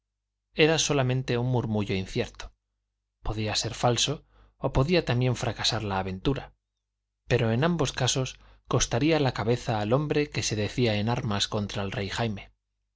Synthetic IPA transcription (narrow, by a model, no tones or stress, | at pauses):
e̞ɾaso̞lamẽ̞nt̪e̞unmuɾmuʝo̞in̟θje̞ɾt̪o̥ | po̞ðiase̞ɾfalso̞ː | po̞ðiat̪ambje̞ɱfɾakasaɾlaːβe̞nt̪uɾa | pe̞ɾo̞e̞nãmbo̞skaso̞s | ko̞st̪aɾialakaβe̞θaːlo̞mbɾe̞ke̞se̞ðe̞θiae̞naɾmasko̞nt̪ɾaelre̞jxajme̞